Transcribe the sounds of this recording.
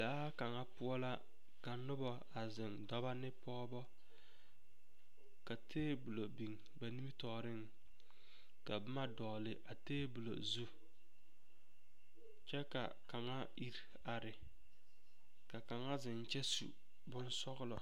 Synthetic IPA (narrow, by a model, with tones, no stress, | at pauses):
laː˦ka˨ŋa˦pʊ˦ɔ˦la˦ | ka˨nʊ˦bɔ˦ | a˨zɪ˨ŋdɔ˦ba˦nɪ˦pɔː˦bɔ˦ | ka˨tʰeː˦bu˨lo˨bi˨ŋ | ba˨ni˦mi˦tɔː˨ɾɪ˦ŋ | ka˨bɪ˦ma˦dɔː˨lɪ˨ʔa˨teː˦bu˨lo̰˨zu˦ | t͡ʃɛ˦ka̰˨ | ka˨ŋa˦ | i˦ɾ | a˨ɾɪ˨ | ka˨ka˨ŋa˦zɪ˨n˨t͡ʃɛ˦sṵ˨ | bʊ˦n˦sɔ˦ɣʊ˦lɔ˨